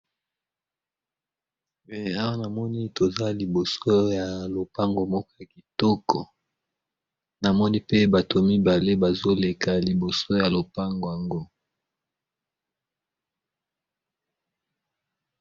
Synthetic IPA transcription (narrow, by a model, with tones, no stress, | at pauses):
mɛ˨a˦wa˦na˨mɔ˦ni˦to˨za˦li˨bo˨so˦ja˨lo˨pa˦ŋɡo˨mɔ˦kɔ˦ja˨ki˨tɔ˦kɔ˨ | na˨mɔ˦ni˦pe˦ba˨to˨mi˦ba˨le˦ba˨zo˦le˨ka˨li˨bo˨so˦ja˨lo˨pa˦ŋɡo˨ja˨ŋɡo˦